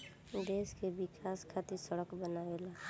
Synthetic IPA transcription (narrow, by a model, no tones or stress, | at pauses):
d̪eːskebɪkʰaːskʰat̪isəɽəkbənaːela